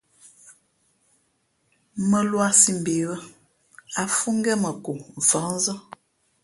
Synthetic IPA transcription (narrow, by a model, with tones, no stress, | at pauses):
mə˦lwa˦si˦m̩˨be˨˦ɣə˦ | a˨fu˦ŋ˦ɡɛ˦mə˨ku˨ɱ˨fa˨˦n˦zə˦